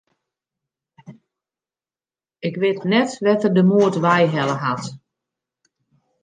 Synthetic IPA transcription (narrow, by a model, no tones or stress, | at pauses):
ɪkʋɪːtnɛtʋɛtərdəmuətʋɛjɦɛləɦat